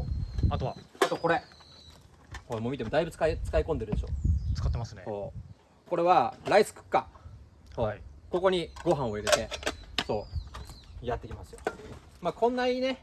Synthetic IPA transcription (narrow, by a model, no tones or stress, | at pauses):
at̪oβaat̪oko̞ɾe̞ | komoːmʲit̪e̞mo̞d̪aibɯ̟t͡sɨ̥kait͡sɨ̥kaikõ̞nd̪e̞ɾɯd̪e̞ɕoːt͡sɨ̥kat̪ːemasɨnesoː | ko̞ɾe̞βaɾaisɨ̥kɯ̥kːa | oko̞ko̞ɲ̟iɡo̞ɦãɰ̃o̞iɾe̞t̪e̞so̞ː | jat̪ːe̞kʲimasɨ̥jo̞ | maːkʰõ̞nːaiːne̞